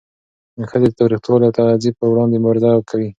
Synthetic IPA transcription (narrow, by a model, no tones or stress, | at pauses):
xəd̪et̪awɾixt̪wolet̪azipəwɾɑnd̪emʊɾɪd̪ɑkʰawi